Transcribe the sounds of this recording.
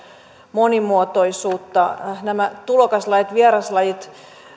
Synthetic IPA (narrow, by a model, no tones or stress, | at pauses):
monimuot̪oisuːt̪ːɑnæmæt̪ulokɑslɑjit̪ʋiɛrɑslɑjit̪